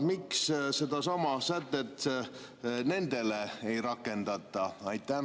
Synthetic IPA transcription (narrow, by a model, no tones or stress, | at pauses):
miksse̞d̪̥ɑsɑmɑsæt̪ːˑet̪ː | ne̞nd̪e̞leejɾɑkːˑe̞nd̪̥ɑt̪ˑːɑɑjt̪ːˑæ